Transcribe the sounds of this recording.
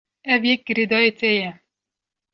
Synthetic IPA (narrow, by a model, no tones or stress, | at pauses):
ɛvjɛk̚ɡɨɾed̪ɑet̪ɛjɛ